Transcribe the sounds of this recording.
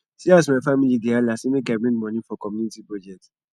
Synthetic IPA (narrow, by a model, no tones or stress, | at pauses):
sias̬mafamilidealasimekabɹĩŋɡmɔ̃nĩfɔkɔmjunitibɔd͡ʒɛt